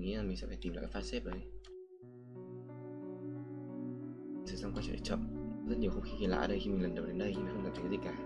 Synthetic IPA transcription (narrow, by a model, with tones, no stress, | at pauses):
ŋḭ˧˥la˨˩mï̟˨˩sɛ̰˧˥fa˧˩t̪i˨˩mla̰˧˨ka˦jfaː˦˥t̚se˦˥p̚ɗə˨˦j | sɨ˧˩za˨˦ŋ͡mkwaː˧˩t͡ɕə̰˧˨ə̰˨˩t͡ɕɔ̰˧˨nzə˦˥t̚ɲ˨əwhə˧ŋ͡mxi˧ɣi˧˩la̰ː˧˨ə˧ɗə˧jxi˧mï˨˩lə˨˩nɗwɗe˨˦nɗə˧jxmi˨˩xə˧aː˨˩t̪ʰkːzi˨˩kaː˧˩